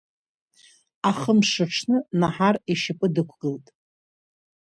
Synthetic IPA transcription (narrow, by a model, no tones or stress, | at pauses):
aχəmʂɨʂʰnɨnaħariʃɪpʼɨdɨkʷʰɡɨltʼ